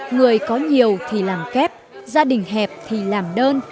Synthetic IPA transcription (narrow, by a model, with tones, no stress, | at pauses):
ŋɨ˨˩əjkɔ˨˦ɲi˨˩əwt̪ʰi˨˩laː˨˩mkɛ˦˥p̚zaː˧ɗï˨˩ŋ̟ɦɛ˨˩p̚t̪ʰi˨˩laː˨˩mɗəː˧n